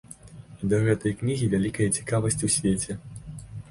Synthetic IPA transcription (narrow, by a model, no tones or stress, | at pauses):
id̪ɐɣɛt̪ɐjknʲiɣʲivʲalʲikɐjɐt͡sʲi̥kavɐsʲt͡sʲusʲvʲet͡sʲɛ